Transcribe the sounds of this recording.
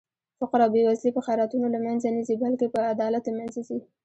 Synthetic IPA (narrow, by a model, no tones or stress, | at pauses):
faqaɾawbewazlipəxaɾɑt̪unolamanzanizibalkepəad̪ɑlat̪əmanzazi